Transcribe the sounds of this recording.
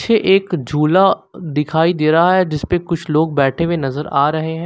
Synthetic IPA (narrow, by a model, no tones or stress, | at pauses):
ʃʰeʔeːkd͡ʒʱuːlad̪ɪkʰaːid̪eːɾɐɦaɦɛd͡ʒɪspekʊt͡ʃʰloːɡ̚bɛːʈʰewenɐzəɾaːɾɐɦeɦɦɛ̃ː